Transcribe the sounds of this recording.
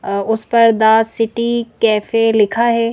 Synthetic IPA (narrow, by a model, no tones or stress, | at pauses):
ʊspɐɾd̪aːsɪʈikɛːfelɪkʰaɦɛː